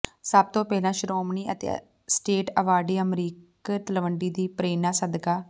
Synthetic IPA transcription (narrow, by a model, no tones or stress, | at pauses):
səb̚t̪õːpɛːlãːʃɾoːmniːət̪ḛ | sʈeːʈəʋaːɖiːəmɾiːk | t̪əlʋəɳɖiːd̪iːpɾeːnãːsəd̪kaː